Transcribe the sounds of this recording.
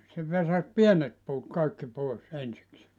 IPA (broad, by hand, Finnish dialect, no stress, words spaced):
se ʋesɑs pienet puːt kɑikːi poˑes ensikseː